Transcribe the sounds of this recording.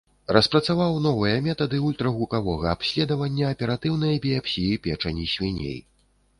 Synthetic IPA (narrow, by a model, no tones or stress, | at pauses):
rɐspɾɐt̪savawn̪ɔvɨjɐmʲɛt̪ɐd̪ɨulʲt̪ɾɐɣukavɔɣɐapsʲlʲɛd̪ɐvɐnʲːɐːpʲɛɾat̪ɨwn̪ɐjɐbʲijapsʲijipʲɛt͡ʂɐnʲisʲvʲɛnʲḛj